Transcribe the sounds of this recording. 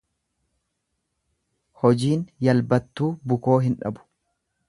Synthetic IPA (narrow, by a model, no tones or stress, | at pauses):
hɔd͡ʒiːnjɐlbɐt̪ːuːbʊko̞ːɦɪnᶑɐ̰bʊ̥